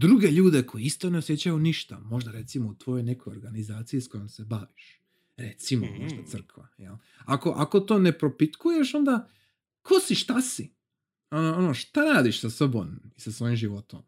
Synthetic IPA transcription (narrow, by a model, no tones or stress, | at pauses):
d̪ɾuɡe̞ʎuːd̪e̞kʰo̞jeist̪o̞ne̞osje̞t͡ɕajuniʃt̪a̰mo̞ʒd̪aɾe̞t̪simout̪ʋo̞jo̞jne̞kʰojo̞ɾɡanizaːt̪sijisko̞jo̞mse̞baʋiʃ | ɾe̞t̪simo̰moʒd̪at̪sɨr̩kʋajḛl | ako̞ʔako̞t̪o̞ːne̞pɾo̞pit̪kuje̞ʃo̞nd̪a | kʰosiʃt̪asi | onoonoʃt̪aɾaːd̪iʃsasobomisasʋo̞ːjimʒiʋo̞t̪o̰m